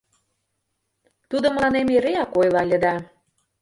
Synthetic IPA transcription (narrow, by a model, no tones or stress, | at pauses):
t̪ud̪oməlˠɑnemeɾeɑkojlɑlʲə̆d̪ɑ